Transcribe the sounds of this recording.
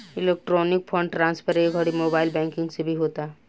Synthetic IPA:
ɪleːk̚ʈɾoːnɪkpʰɔ̃ɳɖʈɾãːnspəɾeɡʱəɽimoːbaːɪlbɛ̃ːŋkɪ̃ŋɡsebʱiɦoːt̪a

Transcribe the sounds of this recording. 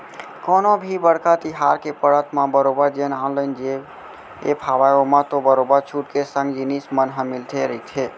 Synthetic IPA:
konobʱibəɽkat̪iɦaɾkepəɽət̪ʰmabəɾobəɾd͡ʒenaʊ̃lənd͡ʒe | epʰabajomãt̪obəɾobəɾt͡ʃʰuʈkesə̃ŋɡd͡ʒinismənɦəmilt̪ʰeɾəit̪ʰe

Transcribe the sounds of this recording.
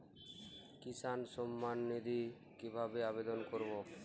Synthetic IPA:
kisanʃɔmːanːid̪ʱi | kibʱabeabed̪onkoɾbo

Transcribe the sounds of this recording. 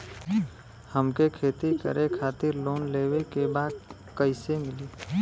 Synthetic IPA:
həmkekʰeːt̪ikə̰ɾekʰaːt̪ɪɾloːnleːwekebaːd̪ | kəɪsemɪliː

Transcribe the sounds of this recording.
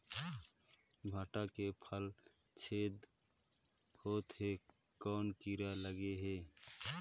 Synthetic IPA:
bʱaːʈakepʰəl | t͡ʃʰed̪ | hoːt̪ɦe | kɔːnkiɾaləɡeɦe

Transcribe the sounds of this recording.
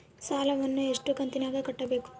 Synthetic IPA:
saːlɐʋɐnːueʂʈukɐnt̪inaːɡɐkɐʈːɐbe̞ːku̥

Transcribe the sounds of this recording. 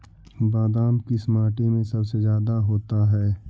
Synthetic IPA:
baːd̪aːmkismaːʈemẽsɐbsezjaːd̪aɦoːt̪aɦɛː

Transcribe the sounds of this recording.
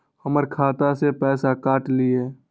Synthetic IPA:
həməɾkʰaːt̪asepɛːsakaːʈlieː

